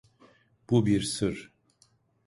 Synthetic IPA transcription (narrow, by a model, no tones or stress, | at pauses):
b̥ubiɾsɯɾ